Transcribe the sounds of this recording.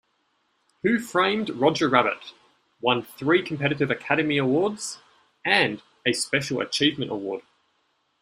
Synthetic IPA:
hʉfɹẽɪ̃mdɹɒd͡ʒəɹæbə̰t | wʌ̃nθɹiːkʰə̃mpʰɛɾɪɾɪvəkʰæɾəmiəwɔːdz̥ | ə̃n | əspɛʃəl̩ˠə̰t͡ʃʰiːvmə̃ntəwɔːd̥

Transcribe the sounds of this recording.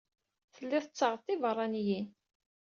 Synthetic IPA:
θəlːɪðət͡sːɑʁət̪ːivərˤːɑnjin

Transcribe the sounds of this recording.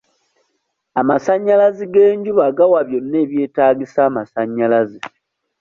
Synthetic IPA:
amasaɲːalaziɡe̞ːɲɟuβaɡawaβjo̞nːe̞ːβje̞ːtaːɡisaːmasaɲːalazi

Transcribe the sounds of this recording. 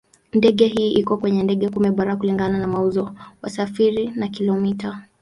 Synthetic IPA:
ndɛɠɛɦiːʔikɔkwɛɲɛndɛɠɛkumɛɓaɾakuliŋɡananamauzɔwasafiɾinakilɔmita

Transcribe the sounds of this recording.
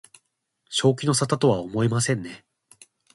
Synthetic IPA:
ɕo̞ːk̬ʲino̞sat̪at̪o̞βaomo̞imasẽ̞nːe̞

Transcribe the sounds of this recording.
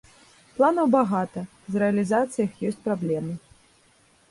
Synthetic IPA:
plˠanɐwbaɣat̪ɐ | zrɛɐlʲizat̪sɨjɐxjɔsʲt͡sʲpɾablʲɛmɨ

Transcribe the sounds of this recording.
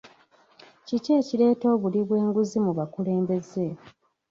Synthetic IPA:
cice̞ːcile̞ːto̞ːβuliβwe̞ːŋɡuzimuβakule̞ːmbe̞ze̞

